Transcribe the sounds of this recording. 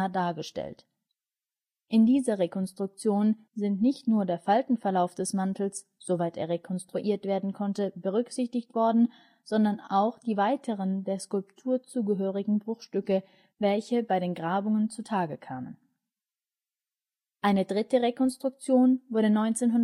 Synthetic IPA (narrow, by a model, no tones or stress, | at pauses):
daːɐɡəʃtɛ̰lt | ʔɪndiːzɐʁekʰɔnstʁ̥ʊk̚t͡sjoːn | zɪntnɪçtnuːɐdeːɐfaltn̩fɛɐlaʊfd̥ɛsmantʰl̩s | z̥ovaɪtḛːɐʁekʰɔnstʁ̥uʔiːɐtv̥eːɐdn̩kʰɔntəbəʁʏkz̥ɪçtɪçtv̥ɔɐdn̩ | z̥ɔndɐnaʊxd̥iːvaɪtʰəʁ̞əndeːɐskʊlptʰuːɐt͡suːɡəɦøːʁ̞ɪɡŋ̩bʁʊxʃtʏkə | vɛlçəbaɪɾeːnɡʁaːbʊŋənt͡sutʰaːɡəkʰaːmə̰n | ʔaɪnədʁɪtəʁekʰɔnstʁ̥ʊk̚t͡sjoːnvʊɐdənɔʏnt͡seːnɦʊn